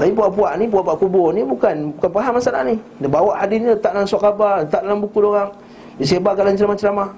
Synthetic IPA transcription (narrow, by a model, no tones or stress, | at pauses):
aibuapuanibabakubonibukankapaɦamasala̰nidabawahadiataansʷakabaataaabukːudokaŋ | bis̬ebakalant͡ʃiɾamat͡ʃiɾama